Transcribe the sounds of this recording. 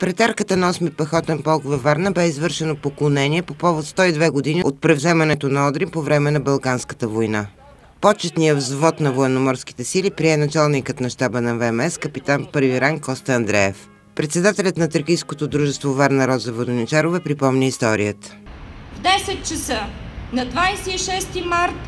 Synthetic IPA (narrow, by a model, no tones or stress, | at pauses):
pɾɛt̪aɾkət̪ənɐɔsmipɐxɔt̪ɛnpɔlˠkvɛvaɾnəbɛizvɤɾʃɛnopoklˠonɛniɛpopɔvot̪st̪ɔid̪vɛɡod̪iniot̪̚pɾɛvzɛmɐnɛt̪onɐɔd̪ɾimpovɾɛmɛnɐbɐlˠkanskə̥t̪əvojna | pɔt͡ʃɛt̪nijəvzvɔt̪nɐvoɛnomɔɾski̥t̪ɛsilipɾiɛnɐt͡ʃalˠnikət̪nɐʃt̪abənɐvɛmɛskəpit̪anpɤɾviɾaŋkɔst̪əɐːnd̪ɾɛɛf | pɾɛt̪sɛd̪at̪ɛlʲət̪nɐt̪əɾkijskot̪od̪ɾuʒɛst̪vovɛɾnɐɾɔd̪zɐvod̪onit͡ʃaɾovɛpɾipɔmnʲiist̪ɔɾijət̪ə̥vd̪ɛsɛt̪̚t͡ʃɐsənɐd̪vajsiːʃɛst̪imaɾt̪